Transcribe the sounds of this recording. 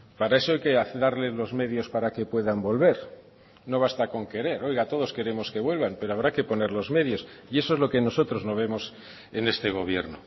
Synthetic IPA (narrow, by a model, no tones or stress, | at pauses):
paɾae̞so̞ajke̞aθðaɾle̞zlo̞zme̞ðjo̞spaɾake̞pwe̞ðambo̞lβe̞ɾ | no̞βast̪ako̞ŋke̞ɾe̞ɾo̞jɣat̪o̞ð̞o̞ske̞ɾe̞mo̞ske̞βwe̞lβampe̞ɾoaβɾake̞po̞ne̞ɾlo̞zme̞ðjo̞s | ie̞so̞ezlo̞ke̞no̞so̞t̪ɾo̞zno̞β̞e̞mo̞s | e̞ne̞st̪e̞ɣ̞o̞βje̞̰ɾno̰